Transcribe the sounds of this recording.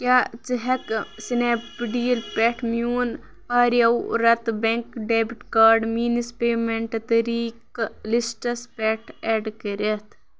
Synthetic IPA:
kʲaːt͡siɦɐksinepiɖiːɐlpeʈʰmjuːn | aːɾjɐwɾɐt̪beŋkɖeːbiʈkaːɾɖmiːnispeːmeɳʈt̪ɐɾiːklisʈɐspeːʈʰeɖkɐɾet̪ʰ

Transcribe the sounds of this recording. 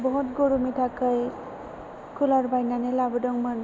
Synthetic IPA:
bɔɦutɡoɽumitʰakəj | kʰulaɾbajnanelabɯdɔŋman

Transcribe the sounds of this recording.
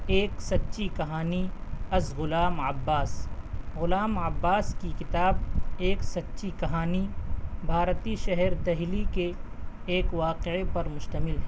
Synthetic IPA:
eːksɐtːʃikɐɦaːniɐzɣʊlaːmɐbːaːsɣʊlaːməbːaːskikɪt̪aːbeːksɐtːʃikɐɦaːnibʱaːɾt̪iʃɛɦɛɾd̪ɐɦlikeː | kʋaːqepɐɾmʊʃt̪əmɪlɦɛː

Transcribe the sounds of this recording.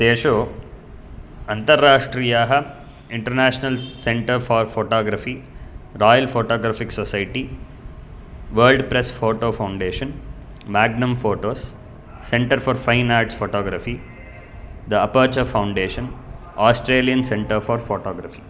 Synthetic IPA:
d̪̥eːʃoː | ɐ̃nt̪ɐɾːaːʂʈɾiːjaːɦɐ | ɪ̃ɳʈɐɾnæːʃnɐlsẽɳʈɐɾfɔːɾfoːʈɔːɡɾɐfiːɾɔːjɐlfoːʈɔːɡɾaːfiksɔsajʈi | ʋəɾlɖpɾesfoːʈoːfãw̃ɳɖeːʃɐ̃n | mæːɡnɐ̃mfoːʈoːsː | ẽɳʈɐɾfɔːɾfaɪnaːɾʈsfoːʈɔːɡɾafi | d̪ɐɐpəːt͡ʃɐfãʊ̃ɳɖeːʃɐ̃n | aːsʈɾeːlijɐ̃nsẽɳʈəɾfɔːɾfoːʈɔːɡɾɐfi̥ː

